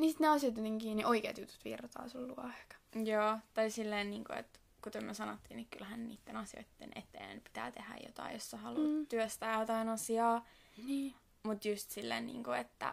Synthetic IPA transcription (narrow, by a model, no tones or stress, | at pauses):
nisit̪neɑsijɑt̪jut̪iŋkiːnːiʔoikḛːt̪jut̪u̥t̪ʋḭrːt̪ɑ̰ːsolːuɑkɑ̥joːt̪ɑisilːeːnniːŋko̰ḛt̪ | kut̪omysɑnot̪ːiːnikkylhænnḭːt̪ːenɑsijo̰it̪ːḛnʔḛt̪ːḛːæ̰npi̥t̪æ̰ːt̪ehæ̰jo̰t̪ɑ̰ijjosːɑhɑluːt̪yøst̪æːjot̪ɑinɑsiɑː | niː | mut̪just̪silːḛːnnḭːŋkoet̪ːæ̰